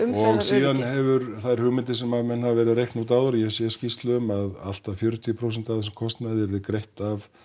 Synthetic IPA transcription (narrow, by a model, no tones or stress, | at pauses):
ɔɣsiːðanhɛvʏɾθajɾ̥hʏɣmɪnt̪̬ɪsɛmavmɛnhavavɛːɾɪðaɾejhknut̪̬aːwðʏɾjɛsjɛscist̪lʏʏmaða̰l̥t̪afjœɾ̥t̪ʰjʏpʰɾows̬ɛnt̪aθɛskʰɔst̪naðɪɾðɪkɾejht̪av